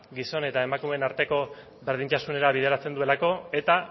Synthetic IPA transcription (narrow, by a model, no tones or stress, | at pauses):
ɡiso̞ne̞t̪ae̞makume̞naɾt̪e̞ko̞ | βe̞ɾð̞int̪asune̞ɾaβ̞ið̞eɾat͡se̞nd̪ue̞lako̞e̞t̪a